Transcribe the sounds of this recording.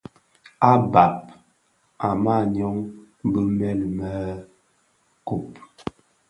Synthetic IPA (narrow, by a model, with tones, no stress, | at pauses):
a˦ba˨p̚ | a˨ma˦˨ɲɔ˦ŋ | bə˦mɛ˦lmə˦ | ko˨p